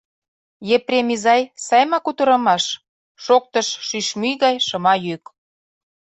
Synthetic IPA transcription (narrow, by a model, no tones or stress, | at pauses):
jeprʲemʲizɑjsɑjmɑkut̪ə̆ɾɤ̆mɑʃ | ʃok̚t̪ɤ̆ʃʃyʃmyɣɑjʃɤ̆mɑjyk